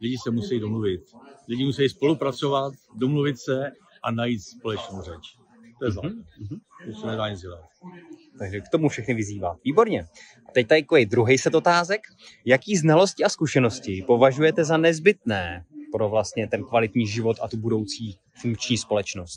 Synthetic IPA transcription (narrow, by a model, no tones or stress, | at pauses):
ɟɛɟɪsɛmusɛjidomluvɪt̪̚ɟɛɟɪmusɛjispo̞lupɾat͡sovat̪domluvɪt̪sɛ | ʔanajiːt̪spo̞lɛt͡ʃnowrɛt͡ʃ | t̪ojɛza | osɛnɛdaːɲɪzɪlɛː | t̪aɡʒɛkt̪o̞mufʃɛxnɪvɪziːva̰ːt̪viːbo̞ɾɲɛ | ʔat̪ɛc̚t̪aɪkoɛjd̪ɾuɦejsɛt̪o̞t̪aːzɛk | jakiːznalo̞scɪaskuʃɛno̞scɪpo̞vaʒujɛt̪ɛzanɛzbɪt̪nɛːpɾo̞vlast̪ɲɛt̪ɛnkvalɪt̪ɲiːʒɪvo̞t̪at̪ubudo̞wt͡siː | fuŋk̚t͡ʃɲiːspo̞lɛt͡ʃno̞st̪̚